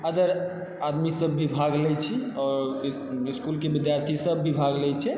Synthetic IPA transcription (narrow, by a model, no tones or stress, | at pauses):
əd̪əɾ | ad̪misəbːibʱaɡlɛt͡ʃʰiɔːɾ | iskulkebid̪jaɾt̪ʰisəbːibʱaɡlɛt͡ʃʰɛ